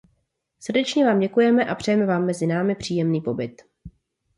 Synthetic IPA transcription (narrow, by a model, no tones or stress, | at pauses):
srdɛt͡ʃɲɛvaːmɟɛkujɛmɛʔapr̝̥ɛjɛmɛvaːmːɛzɪnaːmɪpr̝̥iːjɛmniːpo̞bɪt̪